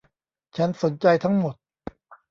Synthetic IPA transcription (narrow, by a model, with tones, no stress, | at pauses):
t͡ɕʰa˦˥nso˩˦nt͡ɕa˧jt̪ʰa˦˥ŋmo˨˩t̪̚